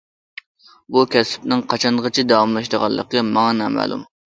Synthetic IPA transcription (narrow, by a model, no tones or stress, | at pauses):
bukʲɛsɪ̥p̚nɪŋqʰɑt͡ʃʰɑnʁət͡ʃʰid̪ɑwɑmlˠɑʃd̪əʁɑ̰lˠːə̰qɡʲɛmɑŋɑnɛmæ̰lˠṵm